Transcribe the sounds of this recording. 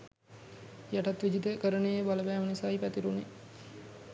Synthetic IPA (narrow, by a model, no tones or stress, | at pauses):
jaʈat̪ʋid͡ʒid̪əkəɾənejəbaləbæːmənisaːipæt̪iɾune